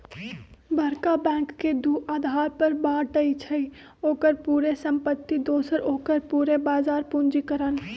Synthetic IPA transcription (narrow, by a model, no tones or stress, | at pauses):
bʱəɾkabɛ̃ːŋkːed̪uːaːd̪ʱaːɾpəɾbaːɾʈəit͡ʃʰəi | oːkəɾpuːɾesə̃mpət̪ːid̪oːsəɾʔoːkəɾpuːɾebaːzaːɾpund͡ʒikəɾən